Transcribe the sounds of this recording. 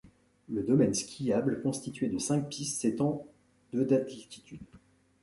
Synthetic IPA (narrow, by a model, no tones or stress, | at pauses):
ləd̪ɔmɛnskʲʰijablkɔ̃st̪it̪ɥed̪əsɛ̃k̚pisːet̪ɑ̃ | d̪̥əd̪at̪likʲi̥t̪ʰyd̪